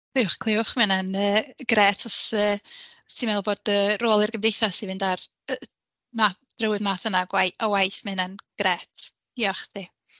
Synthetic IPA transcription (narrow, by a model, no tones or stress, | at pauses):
kʰlˠɪʊχkʰl̥ˠɪʊχmɪnanəːɡ̥rɛtʰɔsəː | simɛlˠboːd̥əːroːlˠɪrɡəmdejθasivɨndar | ma | d̥rəwɨðmaːθənaɡwajɔwajθmɪnanɡ̥rɛtʰ | iɔχθi